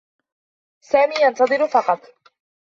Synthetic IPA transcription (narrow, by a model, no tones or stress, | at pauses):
saːmiːjɑnt̪ɑðˤɨɾfɑqɑt̪ˤ